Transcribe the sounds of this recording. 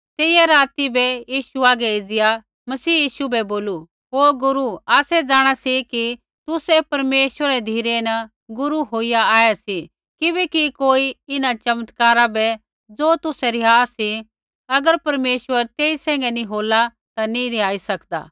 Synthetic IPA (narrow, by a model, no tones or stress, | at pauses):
t̪eːɪjaɾaːt̪ibɛjiːʃuaːɡɛeːd͡zɪja | mɐsiːjiːʃubɛboːlu | ɦoːɡʊɾuaːsɛd͡zaːɽ̃asiki | t̪ʊsɛpɐɾmeːʃʋəɾɛd̪ʱiːɾenɐ | ɡʊɾuɦoːijaaːjasi | kɪbɛkikoːiɪnat͡ʃɐmət̪kaːɾabɛ | d͡zoːt̪ʊsɛɾɪɦaːsi | ɐɡəɾpɐɾmeːʃʋəɾt̪eːisɛ̃ːŋɡɛnĩɦoːla | t̪anĩɾɪɦaːisɐkd̪a̰ː